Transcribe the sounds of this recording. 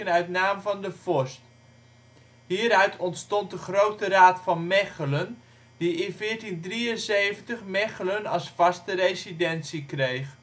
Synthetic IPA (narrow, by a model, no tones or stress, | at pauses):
ənœɥtnaːmvɑndəv̥ɔɹst | ɦiːɾœɥtʰɔntstɔnt̚dəχrowtəraːtfɑnmɛχələn | diɪnvɪːɹtindriənsejvəntəχmɛχələnɑsfɑstərejzidɛnsikrejχ